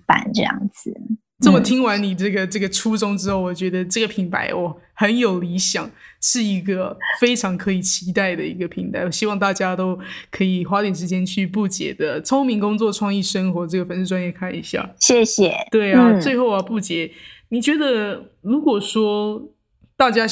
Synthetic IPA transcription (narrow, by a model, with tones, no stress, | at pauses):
pa̰˨˩nʈ͡ʂɤ˥˧jɑ̰˥˩ŋd͡zɹ̩˨˩ | ʈ͡ʂə˥˩mə˨˩t̪ʰi˥ŋwa˧˥nni˨˩ʈ͡ʂɤ˥˩ɡə˩ʈ͡ʂɤ˥˩ɡə˩ʈ͡ʂʰu˥ʈ͡ʂʊ˥ŋʈ͡ʂɻ̩˥xo˥˩ʊwɔ˨˩t͡ɕɥɛ˧˥d̪ə˧ʈ͡ʂɤ˥˩ɡə˩pʰi˧˥ŋpʰa̰˧˥ɪwɔ˨˩xə˧˥njo˨˩ʊli˧˥ɕjɑ˨˩˦ŋʂɻ̩˥˩i˧˥ɡə˧fe˥ɪʈ͡ʂʰɑ˧˥ŋkʰɤ˧˥i˨˩t͡ɕʰi˧˥t̪a˥˩ɪd̪ə˩i˧˥ɡə˧pʰi˧˥ŋt̪a˧˥ɪwɔ˨˩ɕi˥wɑ˥˧ŋt̪a˥˩t͡ɕja˥t̪o˥ʊkʰɤ˧˥i˨˩xwa˥t̪jɛ˨˩nʂ̬ɻ̩˥t͡ɕjɛ˥nt͡ɕʰy˥˧p̬u˥˩t͡ɕjɛ̰˧˥d̪ə˦t͡sʰo˥ŋmi˧˥ŋkʊ˥ŋt͡swɔ˥˧ʈ͡ʂʰwɑ˥˧ŋi˥˩ʂə˥ŋxwɔ˧˥ʈ͡ʂɤ˥˩ɡə˩fə˧˥nʂ̩˥˩ʈ͡ʂwa˥njɛ˥˧kʰa˥˩nḭ˧˥ɕja̰˥˩ɕjɛ˥˩ɕjɛ˨˩t̪we˥˩ɪa˨˩˥t͡swe˥˧ɪxo˥˩ʊa˨˧pu˥˩t͡ɕjɛ˧˥˦ni˨˩t͡ɕɥɛ˧˥d̪ə˧ | ɻu˧˥kwɔ˨˩ʂwɔ˥ | t̪a˥˩t͡ɕja˥